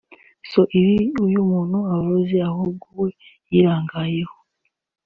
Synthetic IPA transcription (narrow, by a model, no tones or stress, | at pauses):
soʔiɾiujumuːnhuaβaβaziaɦobɡuwe | jiɾaːŋɡaːjeho